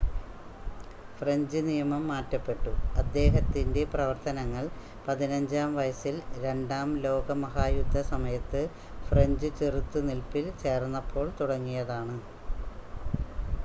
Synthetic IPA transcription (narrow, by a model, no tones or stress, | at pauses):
freɲd͡ʑɨnijɐmɐmːaːtːɐpːe̞ʈːuɐd̪ːe̞ːɦɐt̪ːinde̞prɐʋɐrt̪ɐnɐŋːɐɭ | pɐðinɐɲd͡ʑaːmʋɐjɐsilɾe̞ɳɖaːmlo̞ːɡɐmɐɦaːjud̪ʱːɐsɐmɐjɐt̪ːɨ | freɲd͡ʑɨt͡ɕerut̪ːunilpːilt͡ɕe̞ːrnːɐpʰːo̞ːɭt̪uɽɐŋːijɐðaːɳɨ